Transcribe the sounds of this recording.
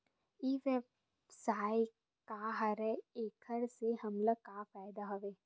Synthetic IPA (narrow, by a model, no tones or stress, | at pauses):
iːʋeb | saːi | kaɦɐɾɛeːkʰəɾseɦɐmləkaːfɛːd̪aɦɐʋeː